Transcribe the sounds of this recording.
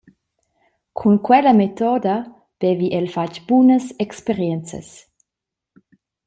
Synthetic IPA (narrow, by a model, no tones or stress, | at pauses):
kʰunkwɛləmet̪ɔd̪a | b̥ɛviʔɛlfacb̥unəsɛkspeɾjɛnt͡sə̰s